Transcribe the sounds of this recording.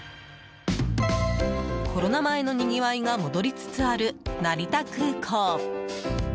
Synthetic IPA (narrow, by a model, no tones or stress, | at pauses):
kʰo̞ɾo̞namae̞no̞ɲ̟iɡʲiβaiɡamo̞d̪o̞ɾʲit͡sɨ̥t͡sɨaɾɯ̟naɾʲit̪akɯːkʰoː